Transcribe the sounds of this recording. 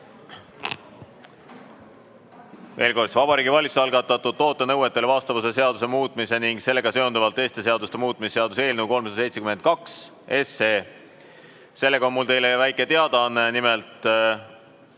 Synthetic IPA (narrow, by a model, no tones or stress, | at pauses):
ve̞ːlko̞rd̪svɑb̥ɑɾiːɡivɑlʲit̪su̥ɑlɡɑt̪ːˑɑt̪ːˑud̪̥̚t̪ːo̞ːt̪ːˑe̞nɤwe̞t̪ːˑelevɑst̪ɑvɑse̞seɑd̪use̞muːt̪ːˑmise̞niŋɡ̥se̞lːe̞ɡ̥ɑseo̞nd̪uvɑlt̪ːˑe̞ːst̪e̞s̬e̞ɑd̪ust̪emuːt̪ːˑmisːe̞ɑd̪use̞ːlnəwko̞lmsɑse̞jt̪sʰe̞kyme̞nt̪̚kɑks | e̞se̞ː | se̞lːe̞ɡ̥ɑo̞nmult̪e̞jlevæjkˑe̞t̪eɑd̪ɑnːenimelt̪